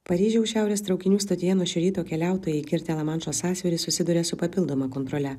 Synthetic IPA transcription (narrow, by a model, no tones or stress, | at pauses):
pɐɾʲiːʒʲɛʊʃʲæˑʊɾʲeːst̪ɾɒʊkʲɪnʲuːst̪ɐt̪ʲɪjɛnuɔʃʲʊɾʲiːt̪oːkʲɛlʲæˑʊt̪oːjɛɪkʲɪɾʲt̪ʲɛlˠɐmɐnt͡ʃoːsɑːsʲɪɾʲɪsʊsʲɪd̪ʊɾʲɛsʊpɐpʲɪlˠd̪oːmɐkont̪ɾɔlʲɛ